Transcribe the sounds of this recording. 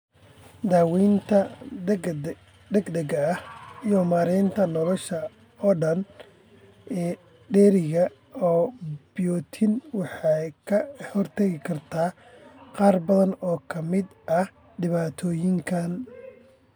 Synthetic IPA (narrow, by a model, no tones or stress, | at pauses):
d̪aːwiːnt̪ʰɐ | ɛɡd̪ɛɡɐɐhijɔmaːɾɪnt̪ʰɐnɔlɔʃɐ | ɔːɖɐn | ɛː | ɖɛːɾɪɣɐ | ɔːbɪjɔːt̪ʰɪnwɑħɑjkʰɐhɔrt̪ʰɐɣɪkʰɐrt̪ʰaː | qɑːrbɐðɐnɔːkʰɐmɪd̪ʔɐh | ɖɪβaːt̪ʰɔːjɪŋkʰan